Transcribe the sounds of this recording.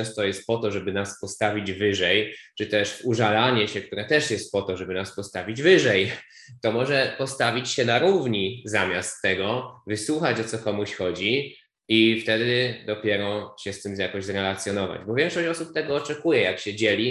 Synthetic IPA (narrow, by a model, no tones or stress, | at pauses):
ɛst̪ɔjɛst̪̚pɔt̪ɔʐɛbɘnaspɔst̪avʲid͡ʑvɘʐɛjt͡ʂɘt̪ɛʂuʐalaɲɛɕɛkt̪uɾɛt̪ɛʂjɛst̪̚pɔt̪ɔʐɛbɘnaspɔst̪avʲid͡ʑvɘʐɛj | t̪ɔmɔʐɛpɔst̪avʲit͡ɕɕɛnaɾuvɲizamʲjast̪ːɛɡɔvɘswuxat͡ɕɔt̪sɔkɔmuɕxɔd͡ʑi | ift̪ɛd̪ɘd̪ɔpʲjɛɾɔɕɛst̪ɘmzjakɔʑzɾɛlat̪sʲjɔnɔva̰d͡ʑbɔvʲjɛ̃ŋkʂɔɕt͡ɕɔsup̚t̪ɛɡɔːt͡ʂɛkujɛjakɕɛd͡ʑɛlʲi